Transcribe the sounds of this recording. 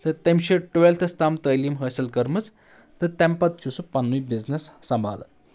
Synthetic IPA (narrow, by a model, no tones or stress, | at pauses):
t̪ɨt̪emɕiʈuʋelt̪ʰɨst̪amt̪əːlimɦəːsɐlkɐɾmɨt͡s | t̪ɨt̪empɐt̪̚t͡ʃʰusupɐnːujbiznesːɐmbʱa̰ːl̰